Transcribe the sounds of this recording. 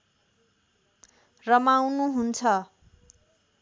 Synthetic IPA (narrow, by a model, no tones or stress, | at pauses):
rʌmawnuɦunt͡sʰʌ